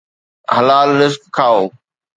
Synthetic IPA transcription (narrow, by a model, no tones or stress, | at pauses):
hɐlaːlːɪzkkʰaːoː